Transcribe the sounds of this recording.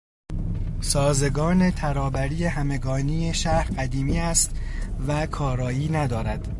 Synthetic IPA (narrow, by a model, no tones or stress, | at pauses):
sɒːze̞ɡɒːne̞t̪ʰæɾɒːbæɾiːjehæme̞ɡɒːniːje̞ʃæɾɢæd̪iːmiːæst̪vækʰɒːɾɒːjiːnæd̪ɒːɾæd̪̥